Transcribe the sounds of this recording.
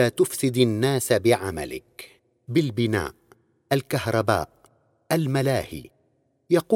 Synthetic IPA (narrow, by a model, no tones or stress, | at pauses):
aːt̪ʊfsɪd̪ɪnːaːsabɪʕama̰lɪ̰k | bɪlbɪna̰ːʔ | ʔalkahɾˤɑba̰ːʔ | ʔalmalaːhḭː | jɑquː